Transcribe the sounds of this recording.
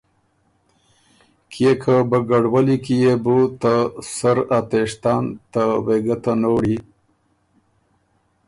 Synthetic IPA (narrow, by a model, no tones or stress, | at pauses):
kʰekʰabəɡaɽwalikijebut̪asaɾat̪eʂt̪ɑnt̪aweɡat̪anoɽi